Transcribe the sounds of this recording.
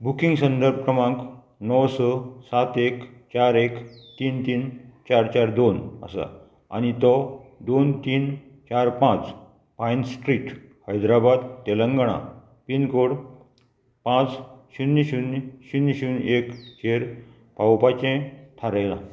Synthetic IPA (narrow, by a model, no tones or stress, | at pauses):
bukiŋɡsənd̪əɾb̚kɾəmãŋk | nɔwsɔsat̪ekt͡ɕaɾekt̪iːnt̪iːnt͡ɕaɾt͡ɕaɾd̪onə̰sa̰ | a̰nit̪ɔd̪ont̪iːn | t͡ɕaɾpãt͡s | pajnsʈɾiʈhəjd̪ɾabad̪t̪elə̃ŋɡɽ̃a̰ | pinkoɽ | pãt͡sɕuniɕunɕunɕunekt͡ɕeɾ | pawpat͡ɕẽt̪ʰaɾajla̰